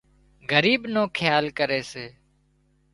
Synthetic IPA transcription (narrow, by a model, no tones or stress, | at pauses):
ɡəɾiːbnõːkʰɪjaːlkəɾeːseː